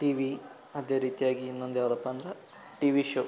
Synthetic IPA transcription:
ʈiːʋi | ɐd̪eːɾiːt̪ijaːɡiːnːond̪ujaːʋɐd̪ɐpːaːnd̪ɾɐ | ʈiːʋiʃo

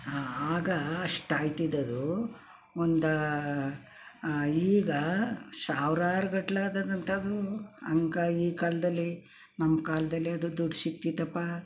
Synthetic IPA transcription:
aːɡɐɐʂʈaːjt̪id̪ɐd̪u | ond̪ɐ | iːɡɐsaːʋɾaːɾɐɡɐʈlaːd̪ɐd̪ɐnt̪ʰɐɐd̪uɐ̰ŋkɐiːkaːlɐd̪ɐlːi | nɐmːɐkaːlɐd̪ɐlːiɐd̪ud̪uɽisit̪ːit̪ɐpːa

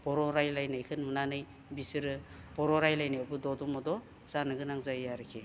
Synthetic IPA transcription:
b̥ɔɾɔɾajlajnɯjkʰɯnmunanɯj | bisɯɾɯbɔɾɔɾajlajnaabɯdɔdɔmɔdɔ | z̥anɯɡɯnaŋzajaɾɯkʰi

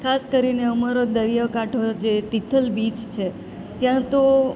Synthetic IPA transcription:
kʰaskəɾineəmaɾod̪əɾijəkaʈʰod͡ʒet̪it̪ʰəlbit͡ʃt͡ʃʰe | t̪jãt̪o

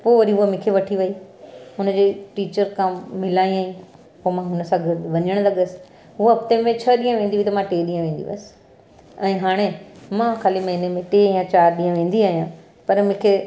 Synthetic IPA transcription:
poːʋɐɾiɦuɦamɪ̃kʰeʋɐʈʰiʋɐiɦʊnəd͡ʑeːʈiːt͡ɕəɾkʰãmɪlaːĩaːĩ | poːmãɦʊnəsãɡɪɾd̪ʋɐɲəɽ̃lɐɠəsɪ̥̆ | ɦʊɐpt̪eːmẽt͡ɕʰɐɗiːə̃ʋẽːnd̪iʋit̪ɐmãʈeːɗiːə̃ʋẽːn̆d̪ḭʋɐ̰sɪ̥ | ɛ̃ːɦaːɽ̃emãxaːlimɐɦinemẽʈeːjãt͡ɕaːɾɗĩːə̃ʋẽːn̆d̪iaːɦijã | pɐɾmɪ̃ːkʰe

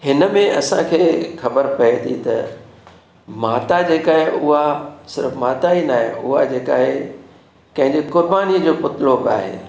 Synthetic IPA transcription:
hɪnəmẽɐsãkʰeːxɐbəɾpɐet̪ʰḭt̪ɐ̰ | maːt̪ad͡ʑeːkaːɦeʔʊɦasɪ̰ɾəfmaːt̪ainaːɦẽʊɦad͡ʑeːkaːɦe | kɐ̃ɦɪ̃ɲd͡ʑekʊɾbaːniəd͡ʑoːpʊt̪ɪloːba̰ːɦḛː

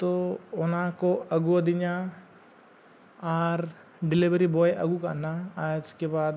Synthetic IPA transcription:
t̪oːʊnãkoɐɡuɐd̪ɪɲa | aːɾ | ɖɪlɪʋɾibɔːjʔɐ̰ɡuka̰naaːd͡ʒkebaːd̪

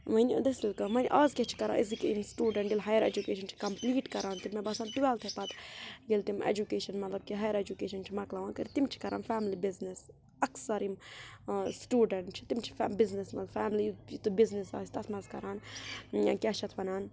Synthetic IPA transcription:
mɐnid̪ɐsilkɐmɐnʲʔaːzkʲet͡ʃʰi̥kɐɾã̰ːʔizikiimsʈuːɖɐɳʈɡilɦaːjɐɾḛd͡ʒukeːʃɐnt͡ʃʰi̥kɐmpliːʈkɐɾaːnt̪imːebɐsãːnʈuʋɛːlt̪ʰepɐt̪ɡilt̪imḛd͡ʒukeːʃɐnmɐt̪lɐb̚kiɦɐːjəɾed͡ʒukeːʃɐnt͡ʃʰimɐklɐʋãːnkɐɾt̪imt͡ʃʰi̥kɐɾʔa̰ːnfɛːmlibiznis | ɐksɐɾim | sʈuːɖɐɳʈt͡ʃʰi̥t̪imt͡ʃʰi̥fbiznismɐ̰lbfɛːmlijit̪ubiznisa̰ːsʲt̪ɐsmɐzkɐɾaːn | kʲaːʃʰɐt̪ʰʋɐnaːn

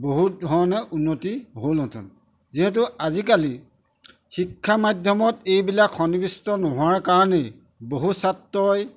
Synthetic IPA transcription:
boɦut̚dʱɔɹɔnɛʔunːotiɦolɔtʰṵn | ziɦɛt̬ʊazikali | xikʰːamadʱjɔmɔtejbilakʰːɔnibistɔnoɦʊaɹkaɹɔnɛj | boɦusatːɔj

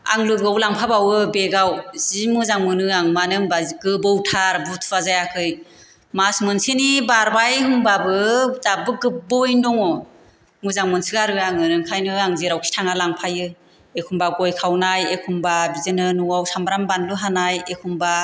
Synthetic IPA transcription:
a̰ŋlɯɡɯwlaŋpʰabawɯbeɡawzimɯzaŋmɯnɯaŋmanɯŋbazɡɯbɯwtʰaɾbutʰwazajakʰɯj | masmɯnsenibaɾbajɦɯmbabɯdabɯɡɯbɔjndɔŋɔ | mɯzaŋmɯnsɯɡaɾɯaŋɯnɯŋkʰajnɯaŋzeɾawkʰi̥tʰaŋalaŋpʰajɯ | ekʰumbaɡɔjkʰawnajekʰumbabizɯnɯnuwawsambɾambanlɯɦanajekʰumba

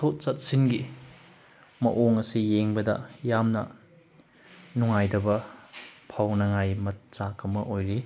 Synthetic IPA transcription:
tʰot̚sɐt̚sinɡi | mɐ̰ʔoŋɐsijeŋbɐdɐ̰jamnɐ̰ | nuŋajdɐbɐ | pʰawnɐŋajmɐt̚sakʰɐmɐʔojɾi

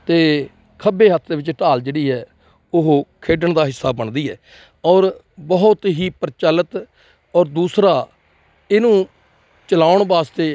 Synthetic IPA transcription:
t̪eː | kʰəbeːɦət̪ʰd̪eːʋɪt͡ʃʈaːld͡ʒeːɽiːɦɛː | ʊɦkʰeːɖəɳd̪aːɦɪsːaːbəɳd̪iːɦɛ̰ː | ɔːɾ | bəɦʊt̪ɦiːpəɾt͡ʃaːlət̪ | ɔːɾd̪uːsɾaː | ɪnũː | t͡ʃəlaːʊɳbaːst̪eː

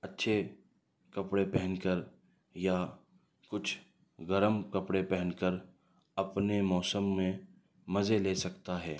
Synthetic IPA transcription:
ɐtːʃʰe | kɐpɽepɛɦə̃nkəɾ | ja | kʊt͡ʃʰ | ɡɐɾəmkɐpɽepɛɦənkəɾ | ɐpnemɔːsəmːẽ | mɐzeleːsɐkt̪aɦɛː

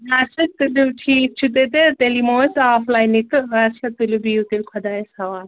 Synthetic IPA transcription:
ɾasɐt̪uluʈʰiːk̚t͡ʃʰut̪et̪̬et̪elimoːsaːflajnik̪ɨasɐt̪ːulubiut̪ilkʰɔd̪ajesɐʋaː

